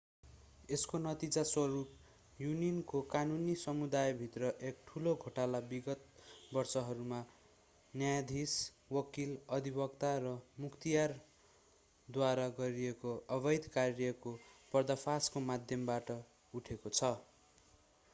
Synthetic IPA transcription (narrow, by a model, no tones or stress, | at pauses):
eskonʌt̪id͡zaswʌɾup̚ | juninkokanunisʌmud̪ajbʱit̪rʌʔek̚ʈʰuloɡʱoʈalabiɡʌt̪̚bʌrsʌɦʌɾuma | njajd̪ʱis | wʌkilʌd̪ʱibʌkt̪aɾʌmukt̪ijar | d̪waɾaɡʌɾiekoʌbʌjd̪ʱkarjʌkopʌrd̪ʌpʰaskomad̪ʱjʌmbaʈʌ | uʈʰekot͡sʰʌ